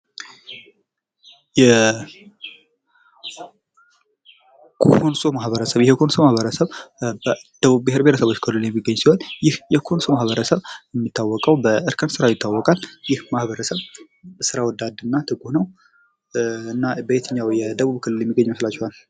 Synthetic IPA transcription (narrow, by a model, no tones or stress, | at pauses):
jɛ | kʰonso̞mahβəɾəsəβjɛhekʰo̞nso̞mahβəɾəsəβbəd̪̥əβuβbeheɾbet̪ʰəsəβo̞t͡ʃːkʰɨlːɨljɛmːiɡːəɲːsiho̞njɪhjɛkʰo̞nso̞mahβəɾəsəβjɛmːit̪ʰːawːɔkʼəwbəʔɨɾkʰənsɨɾawjɪt̪ʰːawːɔkʼaljɪhmahβəɾəsəβ | sɨɾawɔd̪ad̪ɨnːat̪ʰɨkʼuhnəw | ɨnːabəet̪ʰɨɲːawjɛd̪əβuβkʰɨlːɨljɛmːiɡːəɲːməslat͡ʃːɛhal